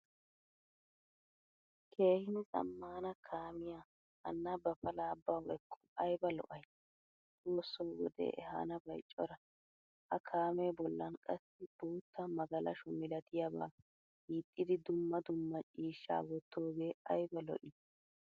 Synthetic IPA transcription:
kʰe̞ːhɪnɪsʼɐ̰mːaːnɐkʰaːmɪja | ʔɐ̰nːabɐpɐlaːbːɐwɛkʰːɔ̥ɐjbɐlɔ̰ʔɐj | tʼoːsːowwɔ̰d̪ḛːʔɛ̰ɦa̰ːnɐbɐjt͡ʃʼːɔɾɐ | ʔɐkʰaːmeːbɔlːɐnkʼɐsːɪb̥oːt̪ʰːɐmɐɡɐlɐ̰ʃʊmɪlɐt̪ʰɪjɐba̰ː | hiːt̪ʼːɪd̪ɪd̪ʊmːɐd̪ʊmːɐt͡ʃʼiːʃːa̰ːwɔt̪ːo̞ːɡeːɐjbɐlɔ̰ʔɪ

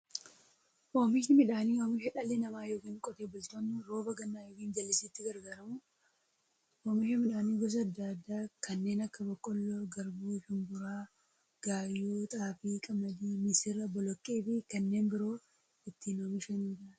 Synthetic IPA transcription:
ʔoːmɪʃɪmɪᶑaːniːoːmɪʃɛᶑɐlenɐmaːjoːkiːŋkʼɔt̪eːbʊlt̪onːuɾoːbɐɡɐnːaːjoːkiːnd͡ʒɐlːɪsiːt̪ːɪɡɐɾɡaːɾɐmʊ | oːmɪʃɪmɪᶑaːniːɡɔs̬ɐɐd̪ːad̪ːaːkʰɐnːe̞ːnɐkːɐbɔkʼːɔlːɔɡɐɾbuːʃɪmbʊɾaː | ɡ̥aːjːuːt̪ʼaːfiːkʼɐmɐd̪iːnɪsɪrːɐbɔlɔkʼːeːfɪkɐnːe̞ːnbɪɾo̞ː | ɪt̪ːiːnoːmɪʃɐnuːd͡ʒɪɾɐnɪ

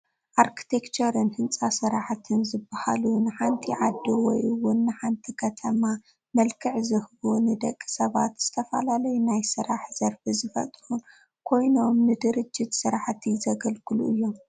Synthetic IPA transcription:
ʔaɾkʰi̥t̪ʰekt͡ʃɐɾɨnhɨnt͡sʼasɨɾaħt̪ʰɨnzɨbːaha̰lunɨħant̪ʰiʕad̪ːuwɔ̰jʔɨwʊnːɨħant̪ʰikʰɐt̪ʰɐma | mɐlkʰɨʕzɨhbunɨd̪ɐ̰kʼːi̥sɐβat̪z̥ɨt̪ʰɐfɐ̰lalɐjunajsɨɾaħz̥ɐɾfɨzɨfɐ̰t̪ʼhun | kʰo̞jno̞mnɨd̪ɨɾɨd͡ʒːɪt̪sɨɾaħt̪ʰizɐɡɐlkʰɨlṵʔɨjːom

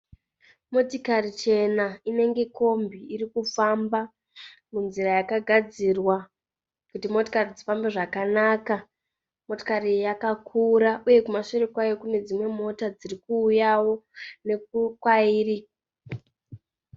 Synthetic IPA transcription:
mo̞tikarit͡ʃe̞naine̞ŋɡe̞ko̞mbiːrikufamba | munzirajakaɡʱad͡zirwa | kutimo̞tokarid͡zifambe̞ʐakanaka | moto̥karijakakʰuɾauje̞kumaʃoɾekwajo̞kune̞d͡zimwe̞mo̞tad͡zirikuːjawo̞ne̞kukwaiːri

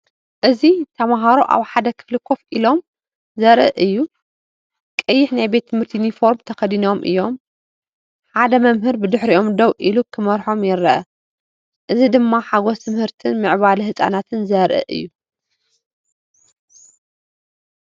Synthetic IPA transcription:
ʔɨzit̪ʰɐmaɦaɾoʔa̰βħad̪ɐkʰɨ̥flɨkʰo̞fʔilo̞m | zɐɾʔɨ̰ʔɨjːu | kʼɐjːɪħnajbet̪ʰːɨmhɨɾt̪ʰinifo̞ɾmt̪ʰɐxɐd̪ino̞mʔɨ̰jːom | ħad̪ɐmɐmɦɨɾbɨd̪ɨħɾiʔo̞md̪owʔilukʰɨmɐɾħo̞mjɪɾɐʔɐ | ʔɨzid̪ɨmːaħaɡost̪ʰɨmhɨɾt̪ʰɨnmɨʕβalhɨsʼa̰nat̪ʰɨnzɐɾʔɨ̰ʔɨ̰jːu

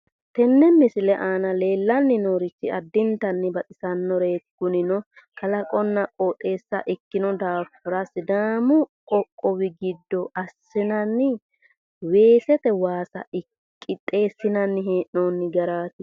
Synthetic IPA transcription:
t̪ɛnːɛmɪsɪlɛʔaːnɐle̞ːlːɐnːɪnoːɾɪt͡ʃːɪɐd̪ːɪnt̪ɐnːɪbɐt̪ʼɪsɐnːɔɾe̞ːɡːʊnɪnɔ | kɐlɐkʼɔnːɐkʼoːtʼːe̞ːsːɐ̰ʔɪkːɪnɔd̪aːfʊɾɐsɪd̪aːmʊ | ɔkʼːɔwɪɡɪd̪ːɔʔɐsːɪnɐnːɪ | we̞ːsɛt̪ɛwaːsɐ̰ɪ | kʼːɪt̪ʼːe̞ːsːɪnɐnːɪɦeːʔnoːnːɪɡɐɾaːt̪ɪ

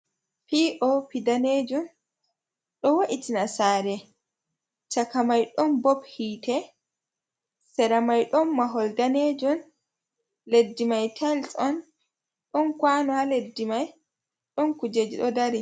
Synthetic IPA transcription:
piʔɔpidaned͡ʒun | ɗɔwaʔitinasaːɾɛ | t͡ʃakamajɗɔnbɔphiːtɛ | sɛɾamajɗɔnmaɦɔldaned͡ʒun | ledːimajtʰalsɔn | ɗɔnkwanɔhaledːimaj | ɗɔnkud͡ʒed͡ʒiɗɔdaɾi

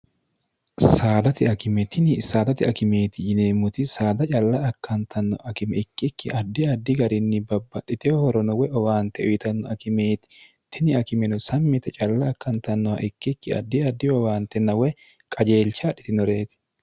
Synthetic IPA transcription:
saːd̪ɐt̪ɪɐkɪmɛt̪ɪnɪsaːd̪ɐt̪ɪɐkɪme̞ːt̪ɪjɪneːmʊt̪ɪsaːd̪ɐt͡ʃʼɐlːɐːkːɐnt̪ʰɐnːɔ̰ʔɐkɪmɛɪkːɪkːɪɐd̪ːɪɐd̪ːɪɡɐɾɪnːɪbɐbːɐtːɪt̪ɛɔhɔɾɔnɔwɛʔɔwaːnt̪ɛɔjɪt̪ɐnːɔɐkɪmeːt̪ɪ̥ | t̪ɪnɪɐkɪmɛnɔsɐmːɪt̪ɐt͡ʃʼɐlːɐːkːɐnt̪ɐnːɔwɐ̰ʔɪkːɪkːɪɐ̰d̪ːɪɐd̪ːɪɔwaːnt̪ɛnːɐwɛ | kʼɐd͡ʒeːlt͡ʃaᶑɪt̪ɪnɔɾe̞ːt̪ɪ̥

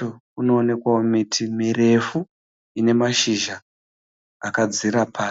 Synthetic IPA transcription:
o | uno̞ːne̞kwaomitʰimire̞fu | ine̞maʃiʒa | akad͡ziɾapʰaː

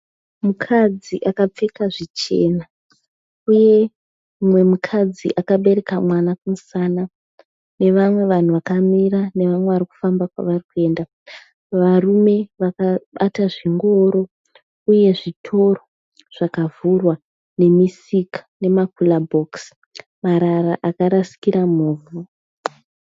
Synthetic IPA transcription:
mukʰad͡ziʔakap͡fekaʐit͡ʃe̞̰na | uje̞ | mwe̞mukʰad͡zḭʔakaɓe̞ɾe̞kamwanakumusana | ne̞ʋamwe̞ʋan̤uʋakamirane̞ʋamwe̞ʋariku̥fambakwa̰ʋarikue̞ːnda | ʋarume̞ʋakaɓataʐiŋɡo̞ɾo̞ | uje̞ʐitʰo̞ro̞ | ʐ̥akavurwa | ne̞misikḁne̞makulabʱoks | maɾaraʔakaɾasi̥kiɾamuːvu

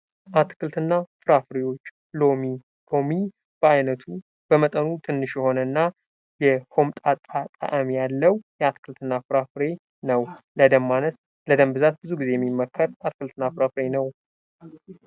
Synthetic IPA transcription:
ʔat̪kʰɨlt̪ɨnːafɨɾafɨɾewo̞t͡ʃː | lomi | ho̞mi | b̥əajnət̪ʰu | b̥əmət̪ʼənut̪ʰɨnːɨʃjɛho̞nənːa | jɛho̞mt̪ʼat̪ʼat̪ʼa̰ʔəmijalːəwjɛat̪kʰɨlt̪ʰɨnːafɨɾafɨɾe | nəwləd̪əmːanəs | ləd̪əmbɨzat̪̚bɨzuɡize̞jɛmːimːəkʰːəɾat̪kʰɨlt̪ɨnːafɨɾafɨɾenəw

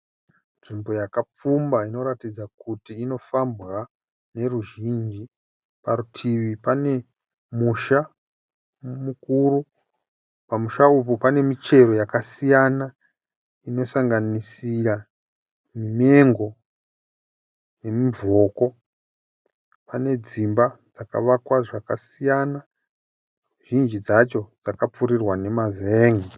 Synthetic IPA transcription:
nʐimbo̞jakap͡fumbaino̞ɾatid͡zakutiːno̞fambra | ne̞ɾuʒind͡ʒi | paɾutʰiʋipane̞ | muʃa | mukuɾu | pamuʃaupupane̞mit͡ʃe̞ɾo̞jakasijana | ino̞saŋɡanisira | mime̞ŋɡo̞ | ne̞mivʱo̞ko̞ | pane̞d͡zimbad͡zaka̰ʋakwaʐakasijana | ʒ̥ind͡ʒid͡zat͡ʃo̞d͡zakap͡fuɾirwane̞mazeːŋi

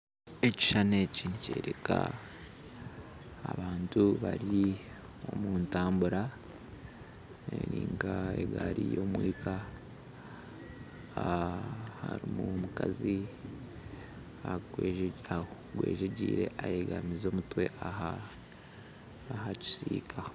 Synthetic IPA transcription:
eci̥ʃaneciniceːɾeka | βaːntuβaɾi | o̞muːntaːmbuɾa | eɾiːŋɡaeɡaɾijo̞mwiːkʰa | haɾimumukazi | aɡwea | ɡweːʒeɟiːɾe̞ʔajeɡamizo̞ːmutwe̞ʔaha | ɦaci̥siːkʰa

